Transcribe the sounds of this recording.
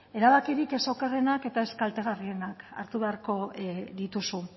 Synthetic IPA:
e̞ɾaβakiɾike̞so̞kare̞nake̞t̪ae̞skalt̪e̞ɣ̞arie̞naka̰ɾt̪uβe̞aɾko̞ðit̪usu

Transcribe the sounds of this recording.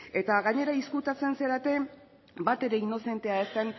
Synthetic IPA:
e̞t̪aɣaɲe̞ɾaiskut̪at͡se̞nse̞ɾat̪e̞ | bat̪e̞ɾe̞ino̞se̞nt̪e̞aest̪en

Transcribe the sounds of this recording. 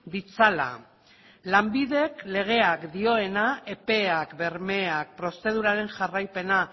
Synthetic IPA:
d̪it͡sala̰ | lambiðe̞kle̞ɣ̞e̞akd̪io̞e̞nae̞pe̞akbe̞ɾme̞ak̚pɾo̞st̪e̞ð̞uɾaɾe̞nʝarajpe̞na

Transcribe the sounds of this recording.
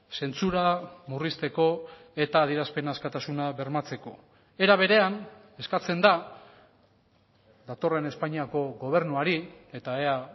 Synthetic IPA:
se̞nt͡suɾamurist̪e̞ko̞ | e̞t̪aːðiɾaspe̞naːskat̪asunaβe̞ɾmat͡se̞ko̞ | e̞ɾaβ̞e̞ɾe̞an | e̞skat͡se̞nd̪a | d̪at̪o̞re̞ne̞spaɲiako̞ɣo̞β̞e̞ɾnuaɾie̞t̪ae̞a

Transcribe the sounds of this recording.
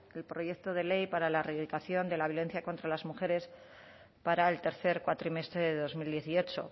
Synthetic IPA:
elpɾo̞je̞k̚t̪o̞ð̞e̞le̞jpaɾalareiðikaθjo̞nd̪e̞laβjo̞len̟θjako̞nt̪ɾalazmuxe̞ɾe̞s | paɾaelt̪e̞ɾθe̞ɾkwat̪ɾime̞st̪ɾeðeðo̞zmild̪je̞θio̞t͡ʃo̰

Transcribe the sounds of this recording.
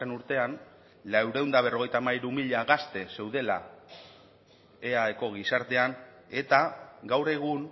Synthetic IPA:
enuɾt̪e̞an | lawɾe̞wnd̪aβ̞e̞roɣe̞jt̪amaiɾumiʎaɣast̪e̞se̞wðe̞la̰ | e̞aeko̞ɣ̞isaɾt̪e̞an | e̞t̪aɡawɾe̞ɣ̞un

